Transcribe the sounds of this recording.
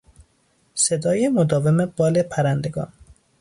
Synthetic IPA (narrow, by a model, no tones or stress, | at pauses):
sed̪ɒːjemod̪ɒːvemebɒːlepʰæɾænd̪e̞ɡɒ̰ːn